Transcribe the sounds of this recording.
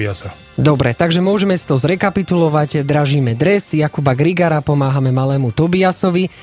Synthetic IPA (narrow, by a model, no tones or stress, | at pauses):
asa | d̪ɔbɾɛt̪aɡʒɛmʊɔʒɛmɛsi̥t̪ɔzɾɛkapit̪ulɔʋaɟd̪ɾaʒiːmɛd̪ɾɛzjakubaɡɾiɡaɾapɔmaːɦamɛmalɛːmut̪ɔbiasɔʋi